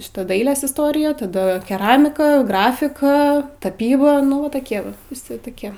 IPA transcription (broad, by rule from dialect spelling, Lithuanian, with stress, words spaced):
ˈʃʲɪtɐ ˈdɐɪlʲeːs ɪsˈtoːrʲɪjɛ tɐˈdɐ kʲɛˈrɑːmʲɪkɐ ˈɡrɑːfʲɪkɐ ˈtɑːpʲiːbɐ nʊ ˈʋɐ toːˈkʲiɛ ˈʋɐ ʋʲɪˈsʲɪ toːˈkʲiɛ